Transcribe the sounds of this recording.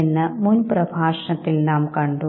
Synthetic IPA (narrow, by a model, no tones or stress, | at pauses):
enːɨmunprɐbʱaːʂɐɳɐt̪ːilnaːmkɐɳɖu